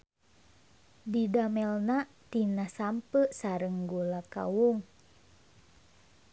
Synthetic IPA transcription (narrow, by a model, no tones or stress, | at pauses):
didamɛlna | t̪inasampəʔsaɾəŋɡulaka̰wuŋ